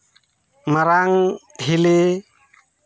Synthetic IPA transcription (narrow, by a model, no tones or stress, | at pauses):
maɾaŋɦile